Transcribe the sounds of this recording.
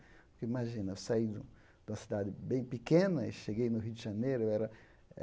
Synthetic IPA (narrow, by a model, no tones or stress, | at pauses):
pʊkeimaʒĩnɐesaid̪ũ | d̪ũmɐsid̪ad̪ɪbẽj̃pikẽnɐeʃeɡejnʊɦiwd̪ɪʒanejɾʊewɛɾɐ